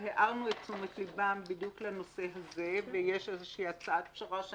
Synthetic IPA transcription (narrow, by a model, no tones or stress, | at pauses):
heʔaʁnuet̪t͡sumet̪libambid̪jukleno̞se̞ɦazevejeʃezeʃiːat͡saat̪pʃaʁaʃ